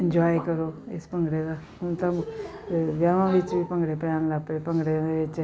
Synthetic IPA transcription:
ɪ̃ɲd͡ʒaːjkɐɾoɪspɐ̃ŋɡɽed̪a | unt̪ɐm | ʋjaːʋãʋɪt͡ʃbʱipɐ̃ŋɡɽepjaːnlapepɐ̃ŋɡɽeʋɪt͡ʃ

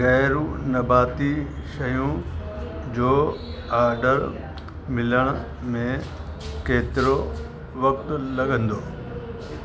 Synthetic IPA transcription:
ɣɛːɾũnɐbaːt̪iʃɐjũ | d͡ʑoːaːɾɖəɾ | mɪləɽ̃ | mẽkeːt̪ɪɾo | ʋɐk̚t̪lɐɠə̃nd̪oː

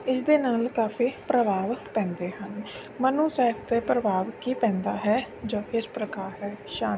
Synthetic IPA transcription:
ɪsd̪eːnaːlkaːfʰiːpɾəbaːʋpɛ̃ːnd̪eːɦən | mənũːsɛːpʰt̪eːpɾəbaːʋkiːpɛ̃ːnd̪aːɦɛː | d͡ʒoːkɪɪspɾəkaːɾɦɛːʃaː

